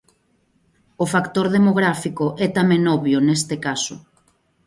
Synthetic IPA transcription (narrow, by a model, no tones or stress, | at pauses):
ofakt̪oɾðemoɣɾafikoʔɛt̪amẽnɔβjonest̪ɪkasʊ̰